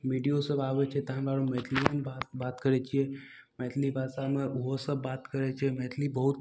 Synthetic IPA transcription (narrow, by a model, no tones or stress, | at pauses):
miːɖijosɐbaːʋet͡ʃʰet̪ɐɦãbaːɾomɛːt̪ʰlijənbaːt̪baːt̪kəɾet͡ʃʰie | mɛːt̪ʰlibʱaːsamẽʊɦosɐbːaːt̪kɐɾet͡ʃʰemɛːt̪ʰlibɐɦʊt̪